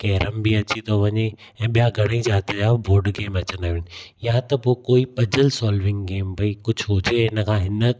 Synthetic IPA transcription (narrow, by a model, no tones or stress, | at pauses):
kɛːɾəmbiɐt͡ɕit̪ʰoʋɐɲeɛ̃ːɓijaɡʱɐɽ̃əid͡ʑaːt̪d͡ʑaːboːɾɖɡeːmɐt͡ɕənaːʋɪnjãt̪ɐpoːkoːipɐd͡ʑəlsɔːlʋɪ̃ŋɡɡeːmpɐikʊd͡ʑʱɦʊd͡ʑeɦɪnə̆kʰãːɦɪnə